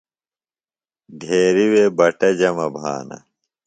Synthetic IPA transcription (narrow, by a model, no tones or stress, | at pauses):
ɖʱeːɾiweːbɐʈɐd͡ʑɐmɐbʱa̰ːnɐ̰